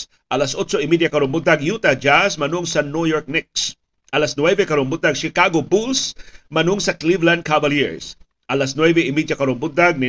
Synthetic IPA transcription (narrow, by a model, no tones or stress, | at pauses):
ʔɐlasʔot͡ʃoɪmid̪jakɐɾoŋbʊd̪aɡjut̪ɐd͡ʒasmɐnʊŋsɐnujɔɹk̚nɪk̚s | ʔɐlasnwɛvɛkɐɾoŋbʊd̪aɡʃɪkaɡobulsmɐnʊŋsɐklivland̪̚kʰabɐljɪɹs | ʔɐlasnwɛvɛɪmid̪akɐɾoŋbʊd̪aɡ̚nɪ